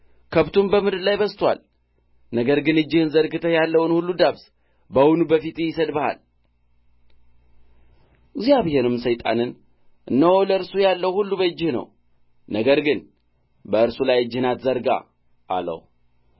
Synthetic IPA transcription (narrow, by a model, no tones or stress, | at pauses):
kʰəβt̪ʰumbəmɨd̪ɨɾlajbəst̪ʰwa̰l | nəɡəɾɡɨnɨd͡ʒːɪhɨnzəɾɡɨt̪ʰəjalːəwɨnhulːud̪aβs | bəwunubəfit̪jɪsəd̪bəha̰l | ziaβɨhenɨmsəjt̪ʼa̰nɨn | ʔɨnːəwoləɨɾsujalːəwhulːubəd͡ʒːɪhnə̰w | nəɡəɾɡɨn | bəɨɾsulajɨd͡ʒːɪhɨnat̪zəɾɡa̰ | ʔːlə̰w